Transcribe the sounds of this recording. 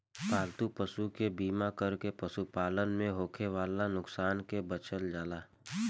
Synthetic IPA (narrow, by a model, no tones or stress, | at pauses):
paːlt̪upəsukebiːmakəɾkepəsupaːlənmẽɦoːkʰeʋaːlanʊksaːnkebət͡ʃəld͡ʒaːlaː